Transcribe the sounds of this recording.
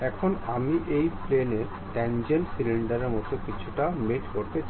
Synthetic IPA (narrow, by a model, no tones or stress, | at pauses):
ɛkʰonamiʔejpleneɾ | ʈɛnd͡ʑelsiliɳɖaɾeɾmot̪okit͡ɕʰuʈameʈkoɾt̪et͡ɕ